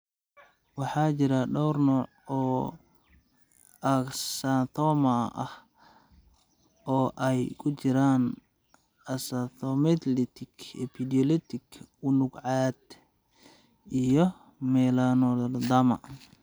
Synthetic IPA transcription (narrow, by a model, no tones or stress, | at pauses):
wɑħɑːt͡ʃɪɾɐɖɔwrnɔːʕɔː | ɐksant̪ʰɔmɐʔɐh | ʔɔːʔɛjkʰʊt͡ʃɪɾaːn | ɐsat̪ʰɔmɛt̪ʰlit̪ʰɪkʰɛpʰid̪iɔlɛt̪ʰɪkʰʊnʊɡʕɑːd̪ | ʔijɔ | mɛlanɔld̪amɐ̰